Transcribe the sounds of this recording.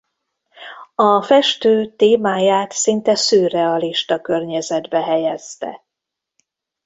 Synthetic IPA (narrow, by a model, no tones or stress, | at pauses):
ɒfɛʃt̪øːt̪eːmaːjaːt̪sint̪ɛsøːrɛɒliʃt̪ɒkørɲɛzɛd̪bɛɦɛjɛzt̪ɛ̰